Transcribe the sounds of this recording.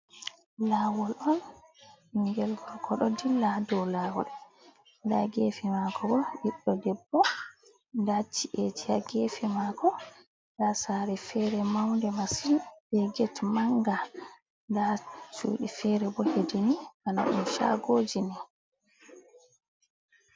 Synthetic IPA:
lawɔlʔɔn | iŋɡɛlɡɔɡɔɗɔdiladɔlaːwɔ̰l | ndaɡeːfimaːkʰɔbɔɗiɗːɔdɛbːɔ | ndat͡ʃːiʔet͡ʃijaɡefɛmakɔ | dasaɾɛfɛɾɛmawndɛmasinbɛɡɛtmaŋɡa | ndat͡ʃṵːɗifɛːɾɛbɔhediniʔana̰ɗṵmʃa̰ɡoːd͡ʒini

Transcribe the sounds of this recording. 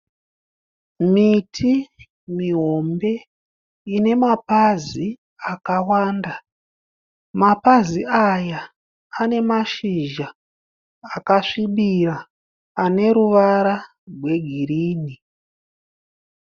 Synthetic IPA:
mitʰi | miɦo̞mbe̞ | ine̞mapazi | akawaːnda | mapaziajaː | ne̞maʃiʒaː | kaʂiɓiraː | ne̞ɾuʋaɾa | rwe̞ɡʱiriːni

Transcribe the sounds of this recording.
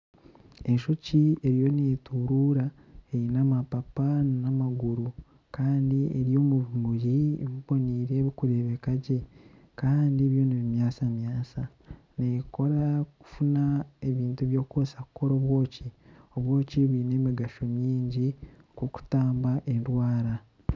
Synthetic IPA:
e̞nʃo̞cie̞ɾijo̞netuɾuɾa | einamapapanamaɡuɾu | kaːndieɾjo̞ːmuβumuɾiβiβo̞niːɾe̞βikuɾeβekaɟe̞ | kaːndiβjo̞niβimjaːsamjaːsa | neko̞ɾaku̥funae̞βiːntuβjo̞ːkosakuko̞ɾo̞ːβwo̞ːcio̞βwo̞ːciβuiːne̞ːmiɡaʃo̞miːɲɟi | koku̥taːmbaʔe̞nɾwaːɾa

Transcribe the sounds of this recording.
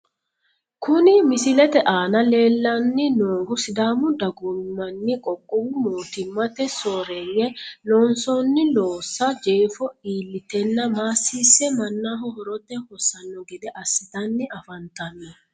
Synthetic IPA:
kʊnɪmɪsɪlɛt̪ɛʔaːnɐle̞ːlːɐnːɪnoːɡʊsɪd̪aːmʊd̪ɐɡʊmːɐnːɪkʼɔkʼːʊwʊmoːt̪ɪmːɐt̪ɛsoːɾeːŋːɛlɔːnsɔnːɪloːsːɐd͡ʒeːfɔiːlːɪt̪ɛnːɐmaːsːiːsːɛmɐnːaːɦʊhɔɾɔt̪ːɛhɔsːɐnːɔɡɛd̪ɛʔɐsːɪt̪ɐnːɪɐfɐnt̪ɐmi

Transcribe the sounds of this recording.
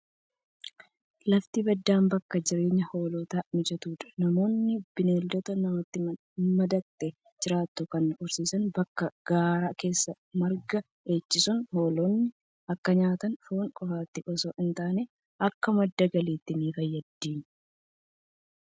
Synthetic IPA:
lɐft̪ibɐd̪ːaːmbɐkːɐd͡ʒɪɾe̞ːɲːɐho̞ːlɔt̪aːmɪd͡ʒɐt̪uːᶑ̪ɐ̥nɐmo̞ːnːɪb̥ɪneːld̪ɔt̪ɐnɐmɔt̪ːɪm | mɐd̪ɐk̚t̪ʼːɛ | d͡ʒɪɾaːt̪ːʊkɐnːʊɾsiːsɐnbɐkːɐɡ̥aːɾaːke̞ːsːɐ | mɐɾɡɐ | ʔe̞ːt͡ʃːɪsʊnho̞ːlonːɪ | ʔɐkːɐɲaːt̪ɐnfoːŋkʼɔfaːt̪ːɪʔɔsɔʔɪnt̪aːne | ʔɐkːɐmɐd̪ːɐɡɐliːt̪ːɪniːfɐjːɐd̪ːiːn

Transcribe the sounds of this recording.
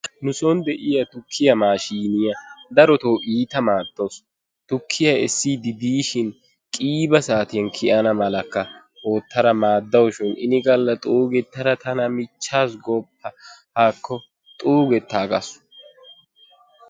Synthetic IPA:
nʊsɔnd̪ɛʔɪjɐt̪ʊkʰːɪjɐmaːʃiːnɪjɐd̪ɐɾɔt̪oːʔiːt̪ɐmaːd̪̥ːos | t̪ʊkʰːɪjɐɛsːid̪ɪd̪iːʃɪn | kʼiːbɐsaːt̪ɪjɐnkʰɪʔɐnɐmɐlɐkːɐ | oːt̪ːɐɾɐmaːd̪ːɐwɔʃɪnʔɪ̰nɪɡʼɐlːɐt̪ʼuːɡɛt̪ːɐɾɐt̪ɐnɐmɪt͡ʃːaːsɡɔpʰːɐhaːkʰːɔ | t̪ʼuːɡɛt̪ːaːkʼɐ̰sʊ̥

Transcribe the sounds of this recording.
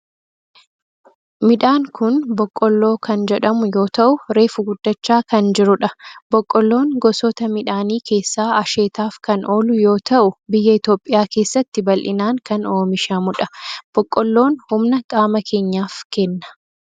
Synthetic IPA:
mɪᶑaːŋkʊnbɔkʼːɔlːo̞ːkɐnd͡ʒɛᶑɐmʊjo̞ːt̪ɐʔʊɾe̞ːfʊɡʊd̪ːɐt͡ʃːaːkɐnd͡ʒɪɾʊᶑɐb̥ɔkʼːɔlːo̞ːŋɡɔsɔt̪ɐmɪᶑaːniːke̞ːsːaːɐʃeːt̪aːfkɐnʔo̞ːlʊjo̞ːt̪ɐʔʊbɪjːɐɪt̪o̞ːpʼːɪjaːke̞ːsːɐt̪ːɪbɐlʔɪ̰naːŋkɐno̞ːmɪʃɐmʊᶑɐb̥ɔkʼːɔlːo̞ːnhʊmnɐkʼaːmɐkʰe̞ːɲːaːfkɛnːɐ̥

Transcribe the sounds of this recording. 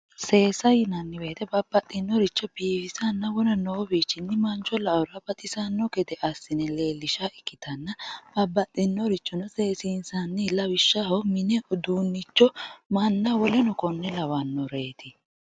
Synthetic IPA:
se̞ːsɐjɪnɐnːɪbe̞ːt̪ɛbɐbːɐt̪ʼːɪnːɔɾɪt͡ʃːɔb̥iːfɪsɐnːɐwɔnɐnoːbiːt͡ʃːɪnːɪmɐnt͡ʃːɔlɐʔʊɾɐbɐt̪ʼɪsɐnːɔɡɛd̪ɛʔɐsːɪnɛle̞ːlːɪʃaɪkːɪt̪ɐnːɐb̥ɐbːɐt̪ʼːɪnːɔɾɪt͡ʃːɔnʊseːsiːnsɐnːɪlɐwɪʃːahɔmɪnɛʔʊd̪uːnːɪt͡ʃːɔmɐnːɐwɔlɛnɔkɔnːɛlɐwɐnːɔɾe̞ːt̪ɪ

